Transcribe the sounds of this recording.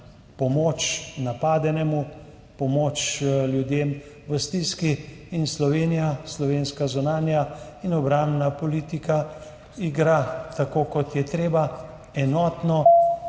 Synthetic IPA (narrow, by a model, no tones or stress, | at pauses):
pɔmot͡ʃnapaːd̪ɛnɛmu | pɔmoːt͡ʃljud̪eːm | ʋəst̪iskiːnslɔʋeːnijaslɔʋeːnskazunaːnjainɔbɾãmbnapɔliːt̪ika | iɡɾat̪akoːkɔt̪jɛt̪ɾeːba | ɛnɔːt̪nɔ